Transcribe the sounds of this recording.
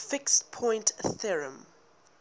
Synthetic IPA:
fɪkstpʰɔ̃j̃ntθɛɹə̰̃m

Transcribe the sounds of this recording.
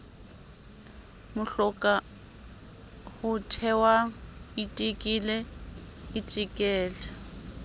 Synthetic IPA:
mʊɬɔkʼa | hʊtʰɛwaitʼikʼilɛ | ɪtʼikʼɛːlɛ

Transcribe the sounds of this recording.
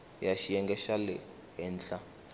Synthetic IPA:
jaʃijɛŋɡɛʃalɛ̰ | ɦɛnt͡ɬa

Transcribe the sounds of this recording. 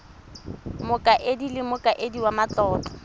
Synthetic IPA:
mʊkʼaʔedilɪmʊkʼaʔediwamat͡ɬɔːt͡ɬʼɔ̥

